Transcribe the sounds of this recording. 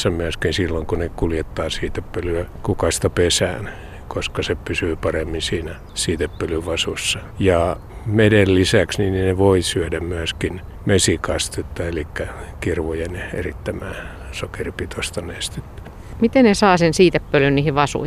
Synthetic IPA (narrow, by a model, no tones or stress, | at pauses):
sːɑmyæskinsilːoŋkunekuljet̪ːɑːsiːt̪epːølyækukɑst̪ɑpesæ̰ːn | koskɑsepysyːpɑremːinsiːnæ | siːt̪epːølyʋʋɑsusːɑjɑ | medelːisæksninineʋoisyædæmmyæskin | mesikɑst̪et̪ːɑelikːækirʋojenḛrit̪ːæmæ̰ː | sokeripit̪ost̪ɑneːst̪e̥t̪ː | mit̪ennesɑːsensiːt̪epːølynniːhiʋɑsṵ